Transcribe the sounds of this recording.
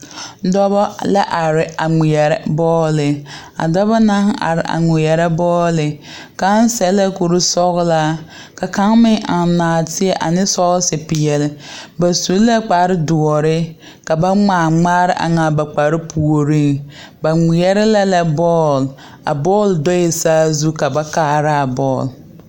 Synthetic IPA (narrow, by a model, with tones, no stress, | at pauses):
dɔ˦bɔ˦la˦ʔa˨ɾɪ˨a˨ŋi˨ɛ˨ɾɛ̰˦bɔː˦lɪ˨ | a̰˨dɔ˦bɔ˦na˦ŋ˦a̰˨ɾɪ˨ʔa̰˨ŋɪ˨ɛ˨ɾɛ˦bɔː˦lɪ˨ | ka˦n˦sɛ˨˦la˦ku˨ɾu˦sɔ˦ɣla˦ | ka˨ka˦ŋmɪ˦ŋʔa˨n˨naː˨tɪ˦ɛ˦ʔa˨nɪ˦sɔ˦ɣsɪ˨pɪ˨jɛ˨lɪ˨ba˨su˨lla˦k͡pa˨ɾɪ˦dʊ˨ɔ˨ɾɪ˦ | ka˨ba˦ŋ͡maː˨ŋ͡maː˦ɾɪ˦ʔa̰˨ŋa˨ba˨k͡pa˨ɾɪ˦pu˨o˨ɾi˦ŋ | ba˨ŋɪ˨jɛ˦ɾɛ˦la˦la˦bɔː˦l | a̰˨bɔː˦˨ldɔ˦ɪ˨saː˦zu˦ka˨ba˦kaː˦˨ɾɪ˦a˨bɔː˦˨l